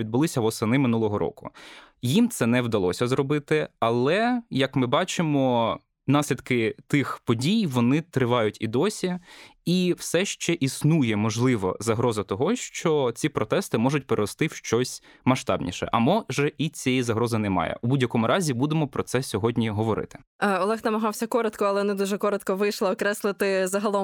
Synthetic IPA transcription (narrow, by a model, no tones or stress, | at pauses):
ʋʲid̪̚bʊlˠɪsʲɐʋɔsɐnɪmɪnulˠɔɦɔɾʔɔ̰kʊ̰jimt̪sɛnɛwd̪ɐlˠɔsʲɐzɾɔbɪt̪ɪɐlˠɛjɐkmɪbɑt͡ʃɪmɔ | nɑsʲlʲid̪kɪt̪ɪxpɔdʲijʋɔnɪt̪ɾɪʋɑjʊtʲid̪ɔsʲiiwsɛʃt͡ʃɛʔisnujɛmɔʒlˠɪʋɔ̰zɐɦɾɔzɐt̪ɔɦɔʃt͡ʃɔt͡sʲipɾɔt̪ɛst̪ɪmɔʒʊtʲpeɾeɾɔst̪ɪwʃt͡ʃɔsʲ | mɐʃt̪ɑ̰bnʲḭʃɛ̰ʔɐmɔʒɛʔit͡sʲɛjizɐɦɾɔzɐnɛmɑ̰jɛ̰ubudʲjɐkɔmʊɾʔɑzʲibud̪emɔpɾɔt̪sɛsʲɔɦɔdʲnʲiɦɔʋɔɾɪ̰t̪ɪ̥ɔlˠɛxnɐmɐɦɑwsʲɐkɔɾɔt̪kɔɐlˠɛɔnɪd̪uʒɛkɔɾɔt̪kɔʋɪjʃlˠɪɔkɾɛsʲlˠɪt̪ɪzɐɦɐlˠɔm